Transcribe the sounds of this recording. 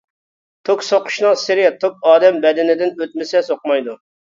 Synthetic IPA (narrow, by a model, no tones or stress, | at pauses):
t̪ʰoksoqʰʊ̥ʃnɨŋsɪɾɪt̪ʰok̚ɑːd̪ɛmbɛd̪ɪnɪd̪ɪnøt̪̚mɪsɛsoqmɑjd̪u